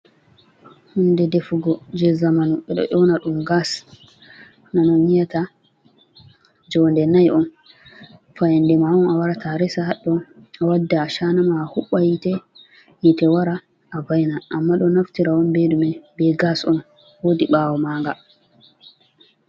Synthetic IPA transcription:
hundɛdefuɡɔd͡ʒɛzamanuɓɛɗɔ̰ʔɔwnaɗumɡas | nanɔmijata | d͡ʒɔndɛnajɔn | fajandɛmaɔnawaɾatʰaɾɛsahaɗːɔawadːaːʃanamahuɓːajitɛ | jitɛwaɾa | ʔavajnaʔamːaɗɔnaftiɾaɔnbeɗumɛbɛɡasɔ̰n | wodiɓaːwɔmaːŋɡa

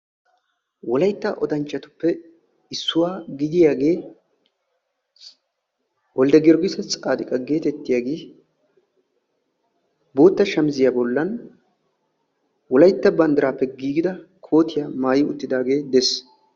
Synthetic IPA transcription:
wɔlɐjt̪ːaʔɔd̪ɐnt͡ʃːɐt̪ʊ̥pːɛ | ɪsːʊwaːɡɪd̪ɪjaːɡe̞ː | wɔld̪ɛɡɪɾɡɪsɐt͡sʼaːd̪ɪkʼɐɡe̞ːt̪ɛt̪ːɪjaːɡeː | bo̞ːt̪ːɐʃɐmɪzɪjaːbɔlːɐn | wɔlɐjt̪ːɐbɐnd̪ɐɾaːpːɛɡiːɡɪd̪ɐkʰo̞ːt̪ɪjaːmaːjɪʊ̰t̪ːɪd̪aːɡe̞ːd̪ɛs

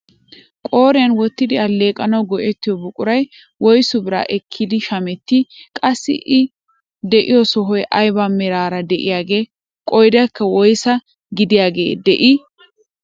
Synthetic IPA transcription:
kʼo̞ːɾɪjɐnwɔt̪ːɪd̪ɪɐleːkʼɐnɐwɡɔʔɛt̪ːɪjɔbʊkʼʊɾɐj | wɔjsʊbɪɾa̰ːʔɛkʰːɪd̪ɪʃɐmɛt̪ːɪkʼɐsːɪ̰ʔɪ | d̪ɛʔɪjɔsɔɦɔjʔɐjbamɛɾaːɾɐd̪ɛʔɪjaːɡe̞ː | kʼɔjd̪ɐkːɐwɔjsɐ | ɡɪd̪ɪjaːɡe̞̰ːd̪ɛʔɪ

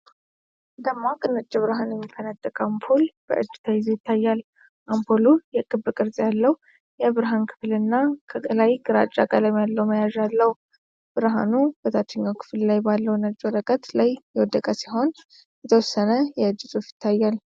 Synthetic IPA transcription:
ɨnd̪əmːakʼɨnɨt͡ʃʼːɪβɨɾɦanjɛmːikʰːənat̪ʼːəkʼampʰolb̥ə̰ʔɨd͡ʒːɪ̥t̪ʰajzejɪt̪ʰːajːal | ʔampʰolujɛkʼɨβːɨkʼɨɾzʼjalːəw | jɛbɨɾɦankʰɨ̥flɨnːakʰəɡəlajɡɨɾat͡ʃʼːakʼaləjmjalːəwməjaʒalːəw | b̥ɨɾɦa̰nubət̪ʰat͡ʃ̪ːəɲːawkʰɨ̥fllajbalːəwnət͡ʃʼːwɔɾəkʼət̪lajjɛwɔd̪əkʼəsiɦo̞n | jɛt̪ʰəwɔsːənəjɛɨd͡ʒːɨsʼufjɪ̥t̪ʰːajːal

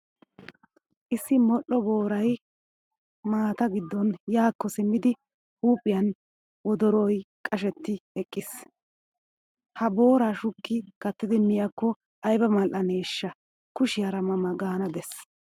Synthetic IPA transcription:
ʔɪsːɪmɔʔɔbo̞ːɾɐj | maːt̪ɐɡɪd̪ːɔnjaːkːɔsɪmːɪd̪ɪ | huːpʼːɪjɐn | wɔd̪ɔɾojkʼɐʃɛt̪ːɪɛkʼːɪs | hɐbo̞ːɾaʃʊkːɪkɐt̪ːɪd̪ɪmːɪjɐkːɔ | ʔɐjbɐmɐlʔɐneːʃːɐ | kʊʃɪjɐɾɐmɐmɐɡaːnɐd̪ɛs

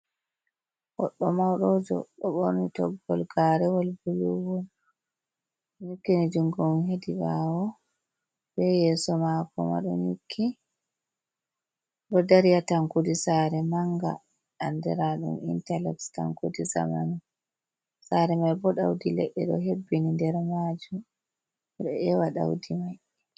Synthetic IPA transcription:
wɔɗːɔmawɗɔd͡ʒɔ̰ɗɔɓoɾnitɔɡɔlɡaɾɛwɔlbuluwɔn | ɲukːinid͡ʒuŋɡɔmhedibawɔ | bɛjɛsɔmakɔma̰ɗɔɲukʰːi | ɗɔdaɾijataŋkudisaɾɛmaŋɡa̰ː | ndɛ̰ɾaɗṵmḭntalɛksta̰ŋkudiza̰ma̰nu | saɾɛmajbɔɗawdilɛ̰ɗːɛ̰ɗɔɦebːinindɛɾmad͡ʒum | ɗɔʔɛwaɗa̰wdimaj

